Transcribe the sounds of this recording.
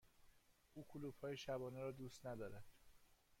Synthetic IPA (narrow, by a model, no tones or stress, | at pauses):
ʔuːkʰuluːbhɒːjeʃæbɒːneɾɒːd̪uːst̪næd̪ɒːɾæd̪̥